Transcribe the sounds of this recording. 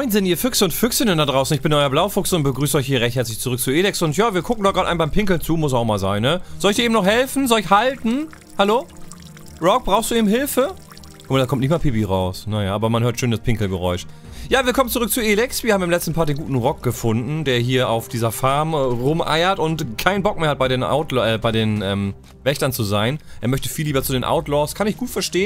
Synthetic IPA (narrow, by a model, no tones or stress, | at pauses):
ɔɪnzɪntiːɐfʏksəʊntfʏksɪnəndadʁaʊsn̩ɪçb̥ɪnʔɔɪɐblaʊfʊksʊnt̚b̥əɡʁyːsəʔɔʏçhiːɐʁɛçt̚hɛɐt͡slɪçt͡suʁʏk̚t͡suʔeːlɪksʊntjaːviːɐkʰʊkŋ̩dɔɡ̥aːtʔaɪnbaɪmpʰɪŋkl̩nt͡suːmʊs̬aʊxmaːlzaɪnːəz̥ɔlɪçd̥iːmnɔχhɛlfn̩zɔlɪçhaltn̩ | haloː | ʁɔk̚b̥ʁaʊxstd̥uːʔeːbmɦɪlfə | kʰʊmadakɔmtnɪçtmaːpeːbiʁaʊsnajaːʔaːbɐmanɦøːɐtʃøːndaspʰɪŋkl̩ɡəʁɔʏʃ | jaːviːɐkʰɔmənt͡suʁʏk̚t͡suʔeːlɪksv̥iːɐhaːmɪːmlɛt͡stn̩pʰaɐtdeːnŋɡuːtn̩ʁɔk̚ɡ̥əfʊndn̩deːɐɦiːɐʔa̰ʊfd̥iːzɐfaɐmʁʊmʔa̰ɪɐtʊntkʰaɪnbɔk̚meːɐhat̚b̥aɪdeːnʔa̰ʊtlʔɛbaɪdeːnʔɛːm | vɛçtɐnt͡suzaɪnʔeːɐmœçtə̥fiːlːiːbɐt͡sudeːnʔa̰ʊtlɔɐskʰanɪçɡ̥uːtfɛɐʃteːən